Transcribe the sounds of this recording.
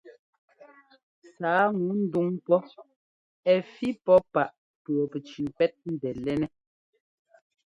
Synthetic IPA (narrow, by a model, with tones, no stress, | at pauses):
saː˨˦ŋu˨˦n̩˦du˦ŋpɔ˦ | ɛ˨fi˦pɔ˦pa˨ʔ | pɰɔ˨pɛ˨t͡ʃi˨pɛ˦t̚n̩˦dɛ˨lɛ˦nɛ˦